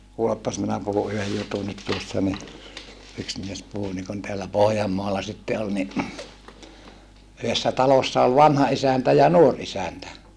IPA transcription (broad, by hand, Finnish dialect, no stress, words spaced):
kuːlepːɑs minæ puhu yhej jutunit tuosːɑ ni yks mies puhu nikun teælːæ pohjɑmːoɑlɑ sitːe ol ni yhesːæ tɑlosːɑ ol ʋɑnhɑ isæntæ jɑ nuor isæntæ